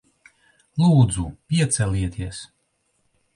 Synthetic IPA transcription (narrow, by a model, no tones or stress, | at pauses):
lˠuːd̪zupʲiɛt̪sɛlʲiɛt̪iɛs